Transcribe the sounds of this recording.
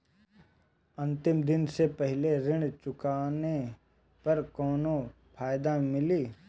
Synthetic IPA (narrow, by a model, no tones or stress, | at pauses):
ɐ̃nt̪ɪmd̪ɪnsepɛɦleɾɪɽ̃t͡ʃʊkaːne | pɐɾkɔːno | pʰaːjd̪amɪliː